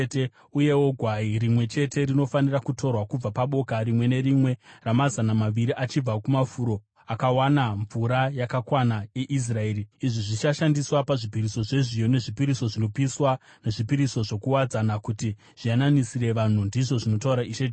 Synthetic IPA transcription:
te | uje̞wo̞ɡʱwairimwe̞t͡ʃe̞te̞rino̞fanirakutʰo̞rwakub͡vapaɓo̞karimwe̞ne̞ɾimwe̞ramazanamaʋiɾiʔat͡ʃib͡vakumafuɾo̞ | akawanaɱvuɾajakakwanaje̞ʔis̬rae̞ːɾiiʐiʐit͡ʃaʃandiswapaʐipiɾiso̞ʐe̞ʐijone̞ʐipiɾiso̞ʐino̞piswa | ne̞ʐipiɾiso̞ʐo̞kuwad͡zanakuti | ʐ̥ijananisire̞ʋan̤undiʐo̞ʐino̞tauɾaiʃe

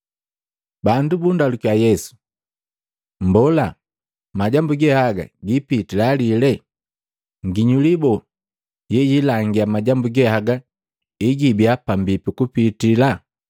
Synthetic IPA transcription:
bandubundalukjajɛsu̥ | m̩bɔla | maɟambuɡɛhaɡa̰ɡipitilalilɛ | ŋɡiɲulibɔ | jɛjilaŋɡiamaɟambuɡɛhaɡa | iɡibiapambipikupitila

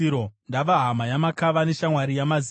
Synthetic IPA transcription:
ɾondaʋaɦamajamakaʋane̞ʃamwaɾijamaz

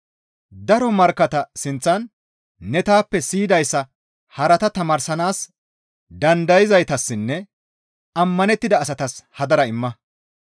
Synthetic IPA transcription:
d̪ɐɾɔmɐɾkːɐt̪ɐsɪnt͡sːɐnː | ɛt̪aːpːɛsiːd̪ɐjsːɐ | hɐɾɐt̪ɐt̪ɐmaːɾsɐnaːs | d̪ɐnd̪ɐjɪzɐjt̪ɐsːɪnːɛ | ɐmːɐnɛt̪ːɪd̪ɐːsɐt̪ɐshɐd̪ɐɾɐɪmːɐ

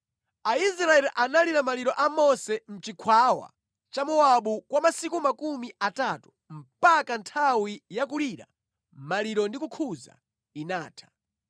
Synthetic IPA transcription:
aisɾaɛlʔanaliɾamaliɾɔʔamɔsɛm̩t͡ʃikʰwawa̰ | t͡ʃamɔaɓukwamasikumakumiatatu̥ | m̩pakantʰawijakuliːɾa̰ | maliɾɔndikukʰuza̰ | inaːtʰḁ

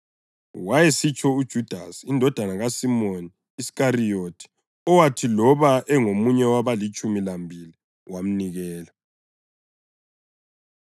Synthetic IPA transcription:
wajesit͡ʃʰʼɔud̥ʒ̥ʱud̥ʱasindʱɔd̥ʱanaɣasimoniːskarijotʰi̥ | ɔwatʰilɔβaʔɛŋomuɲɛwaβalit͡ʃʼumilambʱili | wam̩niɣɛːla

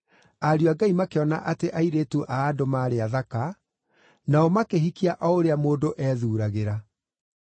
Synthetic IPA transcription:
aɾjoaɡaimakeɔna̰ʔateʔaiɾetuʔaːdomaːɾeaðaka | naɔmakeɦikiaʔɔoɾeamoːdoʔɛːðuːɾaɣeɾa

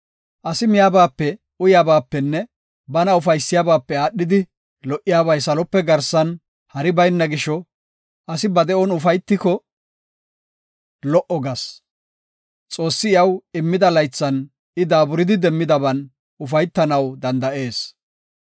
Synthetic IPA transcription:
ʔɐsɪmɪjaːbaːpːɛ | ʊjaːbaːpːɛnːɛ | bɐnɐʊfɐjsːɪjabaːpːɛaːɗɪd̪ɪ | lɔʔːɪjaːbɐjsɐlɔpːɛɡɐɾsɐn | hɐɾɪbɐjnːɐɡɪʃɔ | ɐsɪbɐd̪ɛʔɔnʊfɐjt̪ːɪkɔ | lɔʔɔɡɐs | t͡sʼo̞ːsːɪɪjɐwɪmːɪd̪ɐlɐjt͡sːɐn | ɪd̪aːbʊɾɪd̪ɪd̪ɛmːɪd̪ɐbɐn | ʊfɐjt̪ːɐnɐwd̪ɐnd̪ɐʔe̞ːs

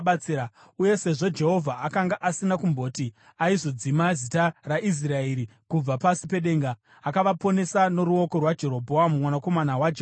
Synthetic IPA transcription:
ɓt͡sia | uje̞se̞ʐo̞d͡ʒe̞ɦo̞vʱaʔakaŋɡaʔasinakumbo̞ːti | aizo̞d͡zimazitaraʔis̬rae̞ːɾikub͡vapasipe̞ɗe̞ːŋɡaː | kaʋapo̞ne̞sano̞ɾuo̞ko̞rwad͡ʒe̞ɾo̞bʱo̞amumwanako̞manawad͡ʒe

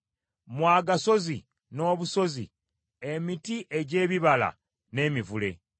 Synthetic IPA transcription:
mwaːɡaso̞zi | no̞ːβuso̞zḭ | emitiʔe̞ɟe̞ːβiβala̰ | ne̞ːmivule̞̰

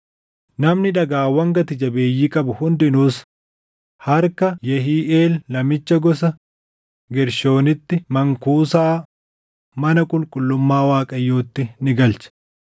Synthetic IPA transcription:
nɐmnɪᶑɐɡaːwɐŋɡɐt̪ɪd͡ʒɐbe̞ːjːiːkʼɐbʊhʊnd̪ɪnuːs | hɐɾkɐjɛɦiːʔeːlːɐmɪt͡ʃːɐɡɔsɐ | ɡɛɾʃo̞ːnɪt̪ːɪmɐŋkuːsaː | mɐnɐkʼʊlkʼʊlːʊmːaːwaːkʼɐjːoːt̪ːɪnɪɡɐlt͡ʃɐ̥

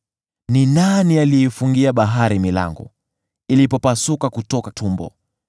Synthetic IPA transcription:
ninanialiifuŋɡiaɓaɦaɾimila̰ŋɡɔ̰ | ilipɔpasukakutɔkatʰumbɔ̰

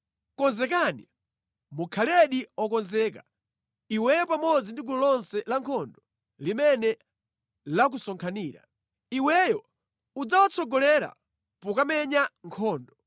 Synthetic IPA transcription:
kɔnzɛkani | mukʰalɛɗiɔkɔnzɛːka | iwɛjɔpamɔd͡zindiɡulɔlɔnsɛlaŋkʰɔndɔ | limɛnɛ | lak̬usɔŋkʰaniːɾa̰ | iwɛjɔ | ud͡zawɔt͡sɔɡɔlɛɾa̰ | pukamɛɲaŋkʰɔːndɔ

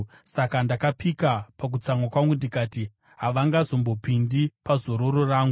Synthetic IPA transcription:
sakandakapikapak̬ut͡samwakwaŋɡundikaːti | ɦaʋaŋɡazo̞mbo̞pindipazo̞ɾo̞ɾoraːŋɡu

